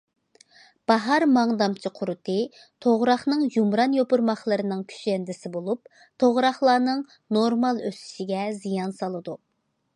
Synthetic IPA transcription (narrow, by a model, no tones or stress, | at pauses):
b̥ɑɦɑɾmɑŋd̪ɑmt͡ʃʰiqʰʊɾɨt̪ʰɨ | t̪ʰoʁɾɑχnɨŋjumɾɑnjopuɾmɑχlˠɨɾɨnɨŋkʲʰy̥t͡ʃɛnd̪ɪsɪbolˠup̚ | t̪ʰoʁɾɑχlˠɑːnɨŋ | noɾmɑlˠøsi̥ʃiɡʲɛzijɑnsɑlˠɨd̪u